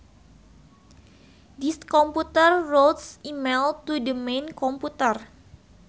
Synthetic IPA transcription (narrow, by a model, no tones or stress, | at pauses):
dist̪kɔmput̪ərːot̪simelt̪udəmenkɔmput̪ər